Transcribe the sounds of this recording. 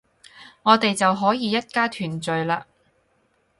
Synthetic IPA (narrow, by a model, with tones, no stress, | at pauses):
ŋɔː˨˧t̪e˨jt͡sɐ˨wɦɔː˨˥jiː˨jɐ˥t̚kaː˥t̪ʰyː˨˩nt͡ʃɵ˨ɥlaː˧